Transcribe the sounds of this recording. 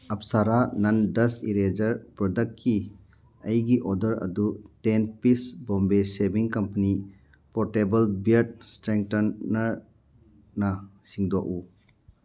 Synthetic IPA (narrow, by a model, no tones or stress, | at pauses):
ɐp̚saɾanɐndɐsiɾed͡ʒɐɾpɾɔdɐk̚tkʰːi | ɐjɡiʔɔdɐɾɐ̰dutenpisbɔmbesebiŋkɐmpɐni | pɔɾtebɐlbiɾt̚stɾeŋk̚tɐnːɐɾ | nɐsiŋdoʔu